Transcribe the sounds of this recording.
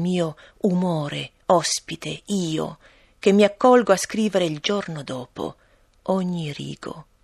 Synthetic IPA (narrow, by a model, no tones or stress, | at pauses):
miːo | umɔːɾe | ɔspit̪eiːo̰ | k̟emːiakːɔlɡoaskɾiːveɾeild͡ʒornod̪ɔːpo̰ | ɔɲːirḭːɡ̥o̰